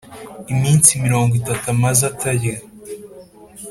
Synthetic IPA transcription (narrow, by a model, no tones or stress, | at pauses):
imiːnsimiɾo̞ːŋɡwitatumazataje